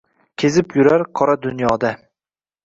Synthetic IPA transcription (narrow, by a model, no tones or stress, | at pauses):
kʲʰezɪpjʊɾaɾqʰɒɾad̪ʊnjɒd̪a